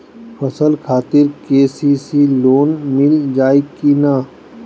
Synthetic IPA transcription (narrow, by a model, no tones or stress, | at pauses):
pʰɐsəlkʰaːt̪ɪɾkeːsisiloːnmɪld͡ʒaːikina